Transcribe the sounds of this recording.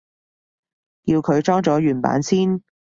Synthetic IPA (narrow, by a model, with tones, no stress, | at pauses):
ji˧wkʰɵ˨˧ɥt͡ʃɔː˥ŋt͡sɔː˨˥jyː˨˩npa̰ː˨˥nsiː˥n